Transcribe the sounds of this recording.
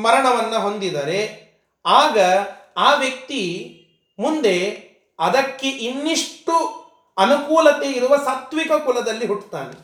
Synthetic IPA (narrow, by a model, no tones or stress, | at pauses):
mɐɾɐɳɐʋɐnːɐɦo̞nd̪id̪ɐɾe̞ | aːɡɐaːʋjɐk̚t̪i | mund̪e̞ | ɐd̪ɐkːeʔinːiʂʈu | ɐnukuːlɐt̪eiɾuʋɐsɐt̪ʋikɐkulɐd̪ɐlːiɦuʈt̪aːnḛ